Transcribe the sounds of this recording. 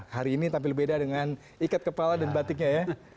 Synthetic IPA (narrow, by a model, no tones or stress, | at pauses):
haɾiːnit̪ampɪlbedadəŋan | ikat̪̚kəpaladanbat̪ɪk̚ɲaja